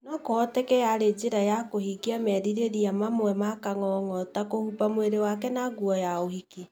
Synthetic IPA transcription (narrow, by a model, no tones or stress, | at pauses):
nɔkoɔtekɛaɾed͡ʒeɾajakohiɡiamɛɾiɾeɾiamamwɛmakaŋɔŋɔtakohupamweɾewakɛnaɡuɔjaohiki